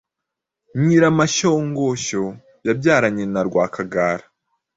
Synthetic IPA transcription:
ɲiɾamaʃoːŋɡoʃo | jabɟaːɾaɲenaɾɡwaːkʰaɡaːɾḁ

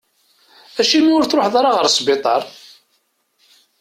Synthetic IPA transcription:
æʃimiʊɾθɾoħðˤɑɾɑʁəɾsˤbɪt̪ˤɑɾˤ

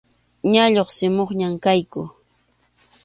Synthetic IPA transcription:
ɲaʎoχsɪmoχɲamkajkʊ

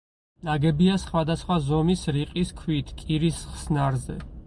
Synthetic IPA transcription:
naɡɛbiasχwad̪asχwazɔmisɾiqʼiskʰwit̪ʰkʼiɾisχsnaɾzɛ̰

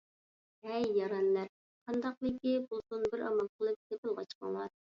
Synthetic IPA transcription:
ɛjːɑɾɑnlæɾ | qʰɑnd̪ɑqlˠɨkʲibolˠsunbɪɾʔɑmɑnqʰəlˠɨp̚t̪epɪlˠʁɑt͡ʃqɑ̰ŋlˠɑɾ

